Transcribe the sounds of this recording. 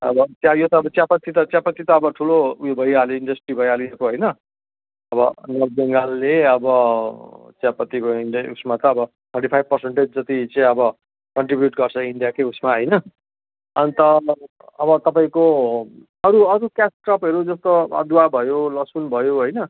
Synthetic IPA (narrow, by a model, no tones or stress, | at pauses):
ʌbʌtjajot̪ʌːbʌt͡sjapʌt̪ːit̪ʌt͡sjapʌt̪it̪ʌːbʌʈʰulojobʱʌjaloiɳɖʌsʈribʱʌjaliekoɦʌjnʌ | ʌbʌ̰nʌr̚beŋɡalːeʌbʌ | t͡sjapʌt̪ːikoinɖʌṵsmat̪ʌːbʌ | t̪ʰʌrʈipʰajb̚pʌrseɳʈed͡zd͡zʌt̪it͡sãĩʌbʌ | kʌɳʈribjuʈɡʌrt͡sʰʌiɳɖijakeusmaɦʌjnʌ | ʌnit̪ʌ | ʌbʌt̪ʌpaĩko | ʌɾuʌɾukasʈrʌpʌɾud͡zʌst̪oʌ̰d̪uabʱʌjolʌsunbʱʌjoɦojnʌ